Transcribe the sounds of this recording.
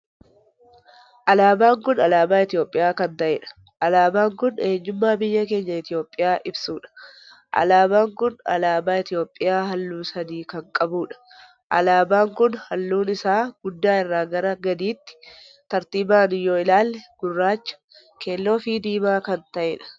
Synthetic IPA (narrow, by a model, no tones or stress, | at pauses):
ʔɐlaːbaːŋkʊnɐlaːbaːɪt̪ɪjo̞ːpʼːɪjaːkɐnt̪ɐʔɛᶑɐ̥ | ʔɐlaːbaːŋkʊneːɲːʊmːaːbɪjːɐk̬e̞ːɲːɐɪt̪ɪjo̞ːpʼːɪjaːʔɪbsuːᶑɐ̥ | ʔɐ̰laːbaːŋkʊnɐ̰laːbaːɪt̪ɪjo̞ːpʼːɪjaːɦɐlːuːsɐniːkɐŋkʼɐbuːᶑɐ̥ | ʔɐ̰laːbaːŋkʊnhɐlːuːnɪsaːɡ̥ʊd̪ːaːɪrːaːɡɐɾɐɡɐd̪iːt̪ːɪ̥ | t̪ɐɾt̪iːbaːnɪjoːɪlaːlːɛɡ̥ʊrːaːt͡ʃːɐ̥ | kʰe̞ːlːo̞ːfiːd̪iːmaːkɐnt̪ɐʔɛᶑɐ̥